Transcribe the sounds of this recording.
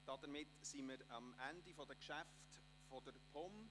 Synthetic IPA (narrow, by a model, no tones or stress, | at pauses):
d̥ɑdəɾmɪtsiməɾɑmʔændifɔdəkʃæft | fodəɾpʰɔm